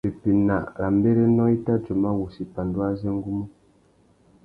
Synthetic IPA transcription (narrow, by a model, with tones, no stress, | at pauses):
e˨pi˨na˨ɾa˨m˦be˦ɾe˦nɔ̃˦i˦ta˦d͡ʒo˨ma˦wu˨si˨pa˨ndu˦a˦zɛ˦ŋ˦ɡu˦mu˦